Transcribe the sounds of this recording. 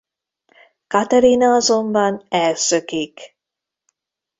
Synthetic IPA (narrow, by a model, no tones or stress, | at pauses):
kɑt̪ɛɾinɑɑzombɑnɛsøkik